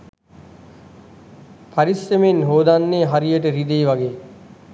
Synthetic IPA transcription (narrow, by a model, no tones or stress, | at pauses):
pʰɐɾisemenɦoːd̪anːeːɦaɾijəʈəɾid̪eːʋɐɡeː